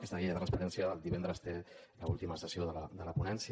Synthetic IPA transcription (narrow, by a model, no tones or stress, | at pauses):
kɛst̪əɣiʎəðərɾənspəɾɛnsjəðəlˠd̪iβɛnd̪ɾəst̪e | ləṵlˠt̪iməsəsioðələd̪ələpunɛnsi